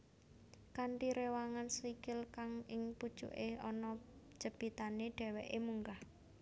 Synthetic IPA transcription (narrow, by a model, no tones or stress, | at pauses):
kaɳʈiɾewaŋanswikɪlkaŋɪŋpud̥ʒ̥ṵʔeɔnɔ̥ | ʒ̥əb̥i̤t̪aneɖ̥ɛ̤wɛʔemuŋɡah